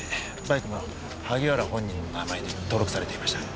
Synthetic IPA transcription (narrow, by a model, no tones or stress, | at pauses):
baikɯ̟mo | haɡʲiβaɾahõ̞ɲ̟ːĩnːo̞namaed̪et̪o̞ːɾo̞kɯ̟saɾe̞t̪eimaɕi̥t̪a